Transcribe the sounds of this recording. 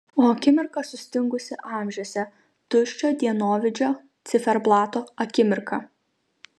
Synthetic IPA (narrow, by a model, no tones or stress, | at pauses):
oːɐkʲɪmʲɪɾkɐsʊsʲt̪ʲɪŋɡʊsʲɪʔɑːˑmʲʒʲoɔsʲɛ | t̪ʊʃʲt͡ʃʲoːd̪ʲiɛnoːʋʲɪd͡ʒʲoː | t̪sʲɪfʲɛɾblˠɑːt̪oːɐkʲɪmʲɪɾkɐ